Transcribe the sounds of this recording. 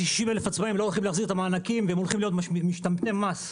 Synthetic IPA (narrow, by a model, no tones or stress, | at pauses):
iʃimelefat͡smaimlo̞olχimleaχziʁt̪amaːnakimveemolχimlijo̞t̪miʃt̪amt̪emːas